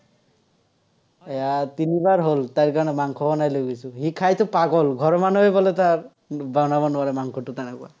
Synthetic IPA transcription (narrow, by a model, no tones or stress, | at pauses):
ɛjat̪inibaɹɦolt̪aɹkaɹɔnɛmaŋkʰɔbɔnajlojɡojsuɦikʰajt̪ʊpaɡɔlɡʱɔɹɔmanɔebɔlet̪aɹ | bawnabɔnɔaɾɛmaŋkʰɔtut̪anakua̰